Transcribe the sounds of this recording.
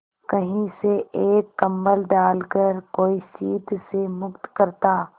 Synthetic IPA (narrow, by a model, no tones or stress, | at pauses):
kɐɦĩseʔeːkːɐ̃mbəlɖaːlkəɾkoːisiːt̪semʊkt̪kəɾt̪aː